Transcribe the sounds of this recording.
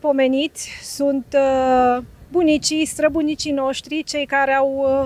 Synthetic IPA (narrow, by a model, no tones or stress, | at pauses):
po̞me̞nit̪sʲsunt̪ | bunit͡ʃist̪ɾəbunit͡ʃino̞ʃt̪ɾit͡ʃe̞jkaɾeaw